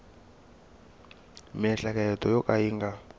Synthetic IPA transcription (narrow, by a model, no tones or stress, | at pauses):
mɛɬakʼajɛtʰʼɔjɔkʼaiːŋɡa